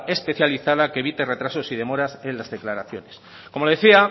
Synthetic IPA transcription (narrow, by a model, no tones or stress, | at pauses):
e̞spe̞θjaliθaðakeβ̞it̪e̞re̞t̪ɾaso̞siðe̞mo̞ɾase̞nlazðe̞klaɾaθjo̞ne̞s | ko̞moðeθia